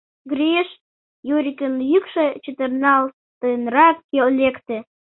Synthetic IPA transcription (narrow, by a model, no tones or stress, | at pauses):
ɡrʲiʃ | juɾʲikʲənjykʃet͡ɕət̪ərnɑlˠ | t̪ɨnrɑkːellʲekt̪e